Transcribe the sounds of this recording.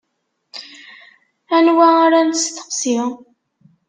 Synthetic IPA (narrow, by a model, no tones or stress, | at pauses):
ænwæaɾænst̪ə̥qsi